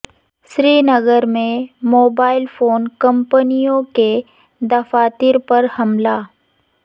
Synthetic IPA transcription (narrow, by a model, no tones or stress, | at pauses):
sɾiːnɐɡəɾmẽmoːbaːɪlfoːnkɐ̃mpənijõke | d̪ɐfaːt̪iɾpɐɾhɐmlaː